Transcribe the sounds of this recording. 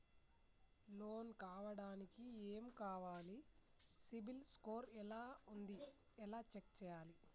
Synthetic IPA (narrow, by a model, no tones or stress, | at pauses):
loːnkaːʋɐɽaːnikieːmukaːʋaːli | sibilskoːɾɛlaːund̪i | ɛlaːt͡ʃekt͡ʃɛːjaːli